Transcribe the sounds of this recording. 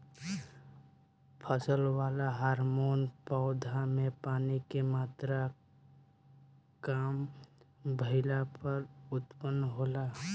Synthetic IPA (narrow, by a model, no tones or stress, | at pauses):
pʰəsəlwaːlaɦaːɾmoːnpaʊd̪ʱamẽpaːnikemaːt̪ɾa | kaːm | bʱəɪlapəɾʊt̪pənːɦoːla